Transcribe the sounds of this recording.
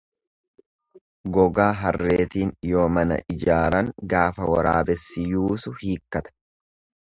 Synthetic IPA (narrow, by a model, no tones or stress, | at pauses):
ɡɔɡaːɦɐrːe̞ːt̪iːnjo̞ːmɐnɐ̰ʔɪd͡ʒaːɾɐŋɡaːfɐwɐ̰ɾa̰ːbɛsːɪjuːsʊhiːkːɐt̪ɐ̥